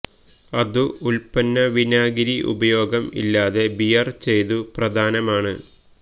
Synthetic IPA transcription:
ɐðuulpɐnːɐʋinaːɡiɾiʔṵbɐjo̞ːɡɐmḭlːaːðe̞bijɐrt͡ɕe̞jt̪uprɐd̪ʱaːnɐmaːɳɨ

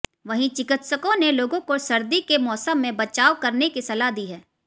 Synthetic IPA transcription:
ʋɐɦĩt͡ʃɪkɪt̪səkõneloːɡõkosɐɾd̪ikemɔːsəmːẽbɐt͡ʃaːʋkɐɾnekisɐlaɦd̪iːɦɛː

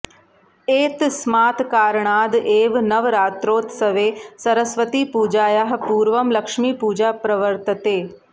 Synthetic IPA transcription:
eːt̪smaːt̪kaːɾɳaːd̪eːʋnɐʋɾaːt̪ɾoːt̪sɐʋeːsɐɾəsʋət̪ipuːd͡ʒaːjaɦpuːɾʋɐmlɐkʂmiːpuːd͡ʒaːpɾɐʋəɾt̪ət̪eː

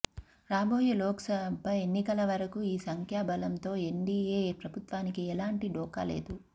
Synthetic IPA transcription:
ɾaːboːjulɔːksɐʋɐmpɐjenːikɐlɐʋɐɾɐkuiːsɐŋkʰjaːbɐlɐmt̪o̞ːe̞ɳɖieːpɾɐbʱut̪ʋaːnikiɛlaːɳʈiɖɔːka̰ːle̞̰ːd̪u

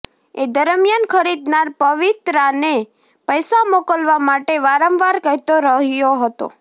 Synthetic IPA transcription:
ed̪əɾmjankʰəɾid̪naɾpəʋit̪ɾane | pəjsamokəlʋamaʈeʋaɾə̃mʋaɾkəɦjt̪oɾəɦjoɦət̪o̰

